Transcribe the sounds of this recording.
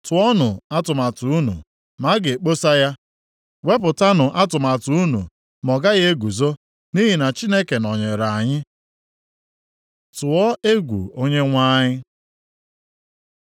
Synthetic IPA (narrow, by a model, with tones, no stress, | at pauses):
tʊ˨ɔ˦nʊ˨a˦tʊ˨ma˨tu˨u˦nṵ˨ | ma˦ɡe˨e˨k͡po˦sa˦ja˦ | we˦pʊ˨ta˦nʊ˨ʔa˦tʊ˨ma˨tu˨˦u˦nṵ˨ | mɔ˨ɡa˦ɣe˦e˦ɡu˨zo˦ | ni˦ɦi˨na˨t͡ʃi˦ne˦ke˨nɔ˨ɲe˨ɾa˨a˨ɲɪ˦ | tʊ˨ɔ˦e˦ɡʷṵ˨o˦ɲe˦ŋʷa˦ɲɪ˦